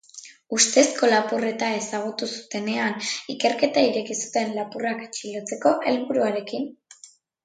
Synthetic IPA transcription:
ust̪e̞sko̞lapure̞t̪ae̞saɣ̞ut̪usu̥t̪e̞ne̞anike̞ɾke̞t̪aiɾe̞kisu̥t̪e̞nlapuraket͡ʃilot͡se̞ko̞ʔe̞lβuɾuaɾe̞kin

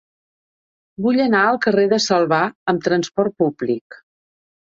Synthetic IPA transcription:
buʎənaəlˠkəreðəsəlˠβaəmt̪ɾənspɔrt̪̚publik

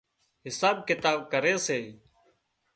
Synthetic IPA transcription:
ɦɪsaːb̚kɪt̪aːbkəɾeːseː

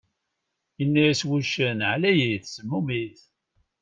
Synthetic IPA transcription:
ənːæjswuʃənʕlæjiθsəmːumiθ

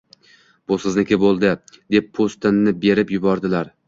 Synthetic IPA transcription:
b̥ʊsɪznɪkʲɪbolˠd̪ɪd̪e̞pːʰost̪ɪnːɪbe̞ɾɪpjʊbɒɾd̪ɪlaɾ

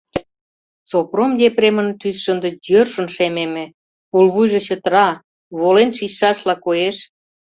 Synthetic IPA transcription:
t͡sopromd̪ʲepɾemə̆nt̪ysʃə̆nd̪ə̆jørʃə̆nʃememĕ | pulβujʒĕt͡ɕə̆t̪ɾɑ | βolenʃiɕʃɑʃlɑkoeʃ

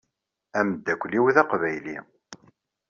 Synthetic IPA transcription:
æməd̪ːækʷːliwðæqvæjlḭ

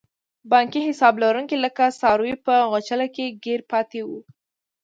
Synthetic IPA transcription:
bɑŋkiɦɪsɑblaɾuŋkiləkasɑɾwipəɣot͡ʃalakeɡeɾpɑt̪ewu

